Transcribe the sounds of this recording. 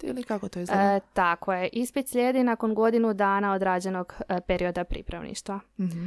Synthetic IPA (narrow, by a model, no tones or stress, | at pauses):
ḭlikakot̪ojizt̪ako̞jeʔispit̪sʎʲeːd̪inako̞nɡo̞d̪inud̪aːnao̞d̪ɾaːd͡ʑe̞no̞ɡpe̞ɾio̞d̪apɾḭpɾa̰ʋnḭʃt̪ʋa